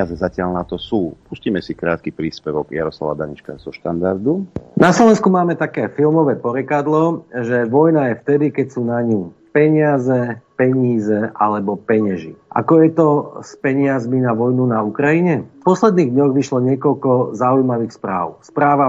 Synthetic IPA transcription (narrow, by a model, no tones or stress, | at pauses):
azɛzacɪalnat̪ɔsuːpusciːmɛsikɾaːt̪̚kipɾiːspɛʋɔɡja̰ɾɔsla̰ʋa̰d̪aɲit͡ʃka̰zɔʃt̪and̪a̰ɾd̪unaslɔʋɛnskumaːmɛt̪akɛːfilmɔʋɛːpɔɾɛkad̪lɔʒɛʋɔjnajɛft̪ɛd̪ikɛcsuːnaɲu | pɛɲɪazɛpɛɲiːzɛʔalɛbɔpɛɲaʒḭʔa̰kɔjɛt̪ɔspɛɲɪazminaʋɔjnunaukɾajiɲɛfpɔslɛd̪niːɣd̪ɲɔɣʋiʃlɔɲɪɛkɔlkɔzaujmaʋiːxspɾa̰ːʊspɾaːʋa